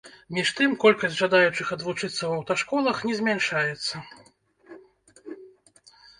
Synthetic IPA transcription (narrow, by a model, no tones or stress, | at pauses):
mʲiʂt̪ɨmkɔlʲkɐsʲʐad̪ajut͡ʂɨxɐd̪vut͡ʂɨt̪sːɐwɐwt̪aʂkɔlˠɐxnʲɛzʲmʲɛnʂajɛt̪sːɐ